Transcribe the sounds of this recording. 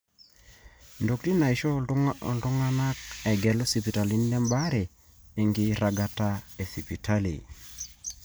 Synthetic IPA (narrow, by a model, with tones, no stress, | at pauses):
ndo˨kti˦na˨i˨ʃɔ̰˦˨ldʊ˦ŋa˦na˦k̚ɛ˨ɡɛ˨lo˦si˨pi˨ta˨li˦n˦lɛ˦mba˦ɾɛ˨ | e˨ŋɡɪ˦ɾa˨ɡa˦ta˦e˨si˨pi˨ta˦lḭ˨